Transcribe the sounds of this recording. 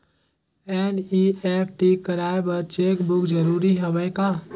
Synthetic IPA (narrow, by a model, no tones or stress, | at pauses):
ɛniepʰʈikəɾaebəɾt͡ʃekbʊkd͡ʒəɾuɾiɦəbəka